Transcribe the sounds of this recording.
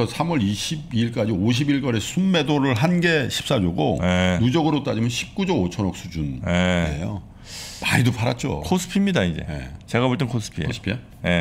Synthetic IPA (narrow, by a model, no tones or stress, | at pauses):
ʌsʰamwʌɾiɕʰibiːɭk̬͈ad͡ʑioɕ̬ʰibiɭk͈ʌɾesʰunme̞doɾɯɭɦanɡe̞ɕʰi̥p̚s͈ad͡ʑoɡo̰jenud͡ʑʌɡɯɾot͈ad͡ʑimjʌnɕʰi̥p̚k͈ud͡ʑʌot͡ɕʰʌnʌk̚s͈ʰud͡ʑunjeejo̰ | maidopʰaɾat̚t͡ɕ͈o̰kʰos͈ʰɯ̥pʰimɲidaid͡ʑe̞̰ḛt͡ɕe̞ɡaboɭt͈enkʰos͈ʰɯ̥pʰiḛspʰie | je